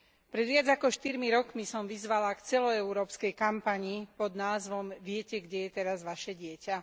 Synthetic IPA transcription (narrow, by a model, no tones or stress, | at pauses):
pɾɛd̪ʋɪadd͡zakɔʃt̪iɾmiɾɔkmisɔmʋizʋalakt͡sɛlɔɛuɾɔːpskɛjkampaɲipɔd̪naːzʋɔmʋɪɛcɛɡɟɛjɛt̪ɛɾazʋaʃɛɟɪɛca